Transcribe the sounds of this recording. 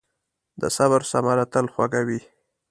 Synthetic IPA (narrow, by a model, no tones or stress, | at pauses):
d̪ə̰saβaɾsamaɾat̪əlxwaɡawi